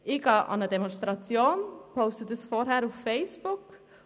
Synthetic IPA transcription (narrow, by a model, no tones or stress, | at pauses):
ʔɪɡ̥ɑːʔɑ̰nədɛmɔnstʁɑt͡sjoːnpʰoʊstətəsfɔɾɦɛɾʊfːeɪsb̥ʊk